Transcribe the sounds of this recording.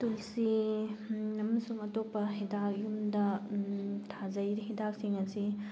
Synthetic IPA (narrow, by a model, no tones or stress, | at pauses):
tulsi | ɐmɐsuŋɐtok̚pːɐɦidakjumdɐ | tʰazɐjɾiɦidak̚siŋɐsi